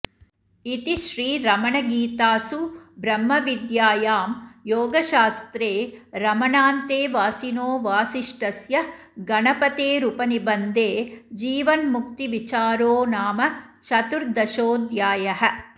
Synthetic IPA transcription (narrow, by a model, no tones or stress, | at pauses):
it̪iʃɾiːɾɐmɐɳɐɡiːt̪aːsubɾɐmːɐʋid̪jaːjaːmjoːɡɐʃaːst̪ɾeːɾɐmɐɳaːnt̪eːʋaːsinoːʋaːsiʂʈɐsjɐ | ɡɐnɐpɐt̪eːɾupɐnibɐnd̪eːd͡ʒiːʋɐnmuk̚t̪iʋit͡ʃaːɾoːnaːmɐ | t͡ʃʰɐt̪uɾd̪ɐʃoːd̪jaːjɐɦɐ̆